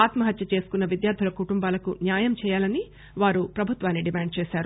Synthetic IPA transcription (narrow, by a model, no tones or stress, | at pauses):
aːt̪mɐɦɐt̪jɐt͡ʃe̞ːsu̥kunːɐʋid̪jaːɾd̪ʱilɐkuʈumbaːlɐkunjaːjɐmt͡ʃɛːjaːlɐni | ʋaːɾupɾɐbʱut̪ʋaːnːiɖimaːɳɖ̚t͡ʃɛːʃaːɾu